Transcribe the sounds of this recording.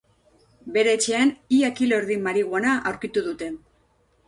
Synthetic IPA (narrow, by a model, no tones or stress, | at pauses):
be̞ɾe̞ːt͡ʃe̞aniakilo̞ɾðimaɾiɣanaʔawɾkit̪uðut̪e̞